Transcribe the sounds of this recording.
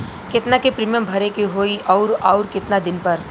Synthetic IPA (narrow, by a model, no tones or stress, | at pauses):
kɪt̪nakepɾiːmijəmbʱɐɾekiɦoːiʔɔːɾaːɾkɪt̪nad̪ɪnpɐɾ